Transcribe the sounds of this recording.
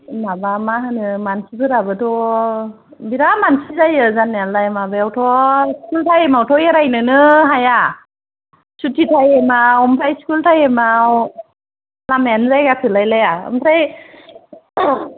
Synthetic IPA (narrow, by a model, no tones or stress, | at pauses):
mabamaɦɯnɯmansibʰɯɾabɯtʰɔ | biɾamansizajɯzanːealajmabajawtʰɔskultʰajemawtʰɔjeɾajnɯnɯɦaja | sutʰitʰajemaɔmpʰajskultʰajemaw | lamajanzajɡakʰɯlajlajaɯ̰mtʰɾaj